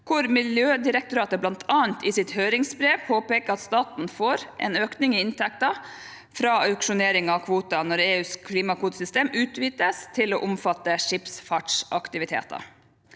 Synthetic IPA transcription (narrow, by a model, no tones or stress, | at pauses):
kʰʊɾmɪljøːd̪ɪɾɛk̚t̪ʊɾɑːt̪əblɑnt̪ʰɑːənt̪ɪsɪt̪høːɾɪŋsbɾeːʋpʰoːpeːkəɾɑt̪st̪ɑːt̪n̩foːɾʔɛ̰ːnøːknɪŋɪɪnt̪ʰɛk̚t̪ɑ | fɾɑːœʉkʂʊneːɾɪŋɑʋkʰʋuːt̪ɑnɔɾeːʉːskʰliːmɑkʰuːt̪sʏst̪eːmʉːt̪ʋiːt̪əst̪ʰɪlo̰ːʔʊmfɑt̪ːəʂɪpsfɑʈʂʔɑkt̪ɪʋɪt̪ʰḛːt̪ɑ̰